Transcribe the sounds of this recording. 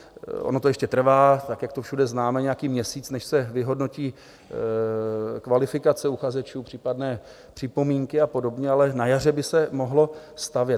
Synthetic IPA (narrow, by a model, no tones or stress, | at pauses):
ʔo̰not̪o̞jɛʃcɛt̪r̩vaːt̪akjakt̪ofʃudɛznaːmɛɲɛjakiːmɲɛsiːt͡snɛʃsɛvɪɦo̞dno̞ciː | kvalɪfɪkat͡sɛuxazɛt͡ʃuːpr̥iːpadnɛː | pr̝̥ɪpo̞miːŋkɪapo̞do̞bɲɛalɛnajar̝ɛbɪsɛmo̞ɦlo̞st̪avjɛ